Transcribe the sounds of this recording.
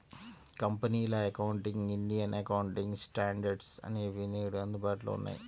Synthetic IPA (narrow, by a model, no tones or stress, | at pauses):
kɐmpɐniːlɐɐkɐwuɳʈiŋɡiɳɖijɐnʔɐkɐwuɳʈiŋɡsʈaːɳɖɐɾɖsɐ̰neːʋineːɽuɐnd̪upaːʈulo̰ṵnːa̰ji